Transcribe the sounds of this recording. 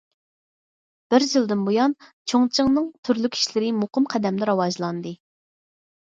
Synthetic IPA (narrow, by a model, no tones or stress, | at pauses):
b̥ɪɾʒɨlˠd̪ɨnbojɑnt͡ʃʰoŋt͡ʃʰɨŋnɨŋt̪ʰyɾlykʲʰːi̥ʃlɪɾɪmoqəmqʰæd̪ɛmlɪɾɑwɑʒlˠɑnd̪ɨ